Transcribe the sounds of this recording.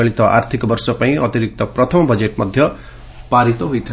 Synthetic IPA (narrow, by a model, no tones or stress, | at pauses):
ʌɭit̪ʌʔa̰rt̪ʰikbʌrsʌpaĩʔʌt̪iɾik̚t̪ʌprʌt̪ʰʌmbʌd͡zeʈmʌd̪ʱjʌ | paɾit̪oɦujt̪ʰ